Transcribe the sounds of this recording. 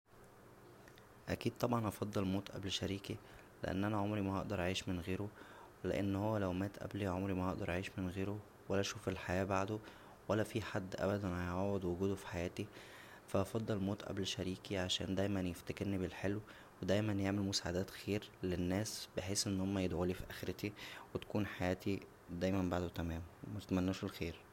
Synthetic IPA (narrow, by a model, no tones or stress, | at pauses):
ʔækiːd̪̚t̪ˤɑbʕɑnʔɑfɑd̪ˤːɑlmoːt̪ʔæ̰blʃæɾiːki | lḛʔæ̰nːʔænæʕomɾimæhɑ̰ʔd̪ɑɾˤʔaʕiːʃmenɣeːɾo | lḛʔḛnːhowːælæwmæːt̪ʔæ̰bliʕomɾimæhɑʔd̪ɑɾˤʔaʕiːʃmenɣeːɾo | wælːæʔʃuːfelħajæːbaʕd̪o | wælːæfiːħad̪ːʔæ̰bæd̪ænhæjʕawed̪woɡuːd̪ofi̥ħajæːt̪i | fæʔɑfɑd̪ˤːɑlmoːt̪ʔæ̰blʃæɾiːkiʕaʃæ̰ːnd̪æjmænjeft̪ækeɾnibelħelw | wed̪æjmænjeʕmelmosaːʕad̪æːt̪xeːɾlenːæːsbeħeːsʔenːhomːæjed̪ʕolifiʔæxeɾet̪iwet̪æ̥kuːnħajæːt̪ʰi | d̪æːjmæmbaʕd̪ot̪æmæːmwmæet̪mænːuːʃelxeːɾ